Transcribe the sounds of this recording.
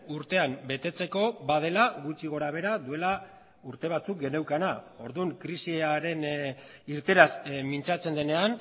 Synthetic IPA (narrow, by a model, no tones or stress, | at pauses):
uɾt̪e̞ambe̞t̪e̞t͡se̞ko̞βaðe̞laɣut͡ʃiɣo̞ɾaβ̞e̞ɾaðue̞la | uɾt̪e̞β̞at͡suk̚ɡe̞ne̞wkana | o̞ɾðuŋkɾisieaɾe̞n | iɾt̪e̞ɾasmint͡sat͡se̞nd̪e̞ne̞an